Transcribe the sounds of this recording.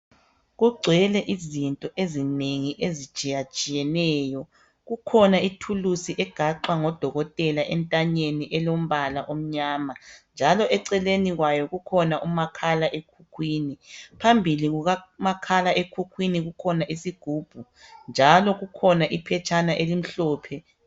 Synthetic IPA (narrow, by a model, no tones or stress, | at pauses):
ɣuɡ͡ǀʱwɛlɛʔizintʼɔʔezineŋiʔezi̥t͡ʃʼijat͡ʃʼijɛnɛːjɔ | ɣukʰɔnaitʰulusiʔɛɡ̥ʱaǃwaŋɔd̥ʱɔɣɔtʼɛlaʔɛntʼaɲeniʔɛlom̩βalaʔom̩ɲaːmand͡ʒʱalɔʔɛǀɛleniɣwajɔɣukʰɔnaʔumakʰalaʔekʰukʰwiːnipʰambʱiliɣuɣamakʰalaʔekʰukʰwiniɣukʰɔnaʔisiɡ̥ʱuːb̥ʱu | nd͡ʒʱalɔɣukʰɔnaʔipʰɛt͡ʃʰʼanaʔelim̩ɬɔːpʰɛ